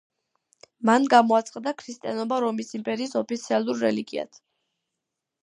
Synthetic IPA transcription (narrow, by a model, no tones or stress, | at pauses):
manɡamɔat̪sʼqʼad̪akʰɾist̪ʼijanɔbaɾɔmisimpʼɛɾiːsɔpit̪sʰialˠuɾːɛ̰liɡia̰t̪ʰ